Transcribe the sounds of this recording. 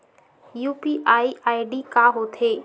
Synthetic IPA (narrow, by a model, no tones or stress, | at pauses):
juːpiʔaːiʔaːiɖikaːɦoːt̪ʰeː